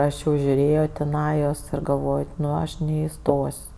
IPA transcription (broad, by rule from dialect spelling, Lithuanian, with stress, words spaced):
ˈɐʃ jɛʊ ʒʲʊˈrʲeːjoː tʲɪˈnɑːjoːs ɪr ɡɐlˠʋoːj ˈnʊ ˈɐʃ nʲɛɪˈstoːsʲ